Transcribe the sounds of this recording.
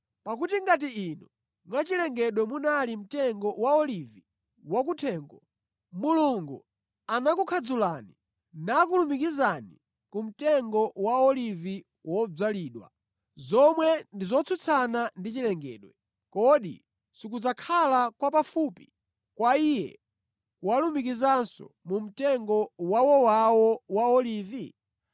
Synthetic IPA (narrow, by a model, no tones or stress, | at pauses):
pak̬utiŋɡat̬iinɔ | mwat͡ʃilɛŋɡɛɗwɛmunalim̩tɛŋɡɔwaɔlivi | wak̬utʰɛːŋɡɔ | muluŋɡu | anakukʰad͡zulaːni | nakulumikizani | kum̩tɛŋɡɔwaɔlivi | wɔb͡ʐaliːɗwa̰ | zɔmwɛndizɔt͡sʰut͡sʰanandit͡ʃilɛŋɡɛ̰ːɗwɛ | kɔɗḭ | sik̬ud͡zakʰalakwapafuːpi | kwaijɛ̰ | walumikizansɔ̰mum̩tɛŋɡɔwawɔwawɔwaɔlivi